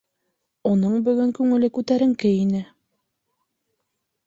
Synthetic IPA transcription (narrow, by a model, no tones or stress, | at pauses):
unɤɴbɵ̆ɣɵŋkʉŋɘ̆lɘkʉt̪æɾɘ̆ŋkɘinɘ